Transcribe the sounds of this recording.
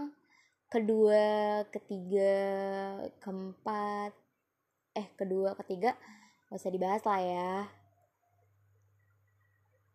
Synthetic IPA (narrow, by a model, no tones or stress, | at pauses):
ŋ | kəduakət̪iɡa | kəmpat̪̚ | ɛhkəduakət̪iɡa | wasadibaɦaslaja